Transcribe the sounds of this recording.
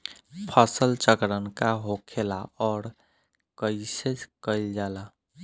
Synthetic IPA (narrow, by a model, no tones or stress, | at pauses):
pʰəsəlt͡ʃəkɾənkaɦokʰelaɔːɾ | kəɪsed͡ʒkəɪld͡ʒala